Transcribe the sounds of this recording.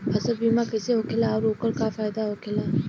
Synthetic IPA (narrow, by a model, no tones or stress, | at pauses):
həsəlbiːmãkəseɦokʰɪlaɾoːkəlkafaːjd̪aɦoːkʰɪlaː